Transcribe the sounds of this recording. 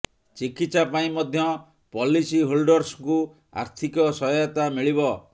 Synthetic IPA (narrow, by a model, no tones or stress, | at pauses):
t͡ʃikit̪sapaĩmɔd̪ʱjɔ | pɔlisiɦulɖɔɾsku | a̰ɾt̪ʰikɔsɔjjɔt̪amiɭiβɔ